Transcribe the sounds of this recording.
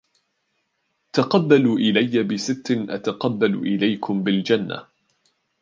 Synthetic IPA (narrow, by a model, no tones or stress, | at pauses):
t̪aqɑbːaluːʔɪlajːabɪsɪt̪ːnʔa̰t̪aqɑbːal̰ʔɪlajkʰʊmbɪld͡ʒanːa̰